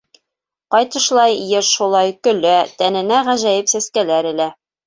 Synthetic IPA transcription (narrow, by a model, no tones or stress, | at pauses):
qɑjt̪ɤ̆ʃlˠɑjjɤɾʃulˠɑjkɵ̆læt̪ænɘ̆næʁæʒæjɘpsæskælæɾɘ̆læ